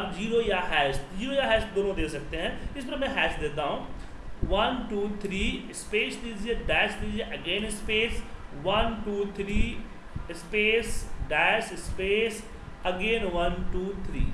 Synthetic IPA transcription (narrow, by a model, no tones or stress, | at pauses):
ɐbd͡ʒiːɾoːjaːɦɛːsʈ̪d͡ʒiːɾoːjaːɦɛːsʈ̪̚d̪oːnõd̪eːsɐk̚t̪eɦɛ̃ːɪsbəɾmɛ̃ɦɛːsd̪eːt̪̬aːɦũː | ʋɐnʈuːt̪ʰɾiːɪspeːsd̪iːd͡ʒieɖɛːsd̪iːd͡ʒieʔɐɡẽːnɪspeːsʋɐnʈuːt̪ʰɾiː | ɪspeːsɖɛːsɪspeːs | ɐɡẽːnʋɐnʈuːt̪ʰɾḭː